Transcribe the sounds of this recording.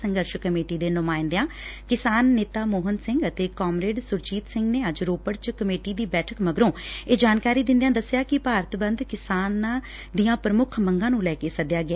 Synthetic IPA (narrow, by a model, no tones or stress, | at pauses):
səŋɡəɾʃkəmeːʈiːd̪eːnʊmaːɪnd̪jãːkɪsaːnːeːt̪aːmoːɦənsɪ̃ŋɡət̪eːkɔːmɾeːɖsʊɾt͡ʃiːt̪sɪŋɡneːəd͡ʒɾoːpəɽt͡ʃkəmeːʈiːd̪iːbɛːʈʰəkməɡɾõːeːd͡ʒaːnkaːɾiːd̪ɪ̃nd̪ijãːd̪əsːjaːkɪpaːɾət̪bənd̪kɪsaːnãː | d̪ijãːpɾəmʊkʰməŋɡãːnũːlɛːkeːsəd̪jaːɡɪa